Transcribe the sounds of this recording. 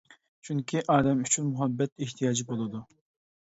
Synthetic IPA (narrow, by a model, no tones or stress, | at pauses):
t͡ʃʰyŋkʲʰiʔɑːd̪ɛmyt͡ʃʰynmuɦɑbːɛt̪eht̪ʰijɑːd͡ʒibolˠɨd̪u